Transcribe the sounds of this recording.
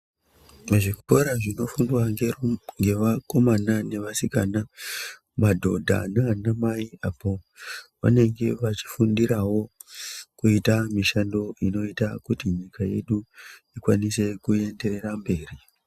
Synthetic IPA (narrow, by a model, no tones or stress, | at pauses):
ʐiku̥po̞ɾaʐino̞fundwaŋɡeŋɡe̞ʋako̞manane̞ʋasikana | madʱo̞dʱa̰nanamaiapo̞ʋa̰ne̞ŋɡe̞ʋat͡ʃi̥fundiɾawo̞ | kuitamiʃando̞ino̞itakutiɲikaje̞̰ɗuikwanise̞kue̞nde̞re̞rambe̞ːri